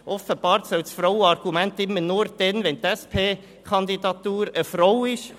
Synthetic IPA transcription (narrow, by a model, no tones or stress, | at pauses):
ʔɔfəb̥ɑːɾt̪sœwtsfɾoʊɑɾɡ̥umɛnt̪ɪmːənʊːɾd̪̥ɛnʋɛnt̪ɛspʰeː | kʰɑnd̪id̪ɑt̪uːɾəfɾowɪʃ